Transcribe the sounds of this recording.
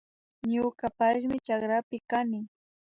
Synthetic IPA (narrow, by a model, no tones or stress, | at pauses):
ɲʊkapaʃmɪt͡ʃakɾapɪkanɪ